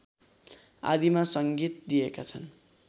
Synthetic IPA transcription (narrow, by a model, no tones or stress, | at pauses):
a̰d̪imasʌŋɡit̪̚d̪ijekat͡sʰʌn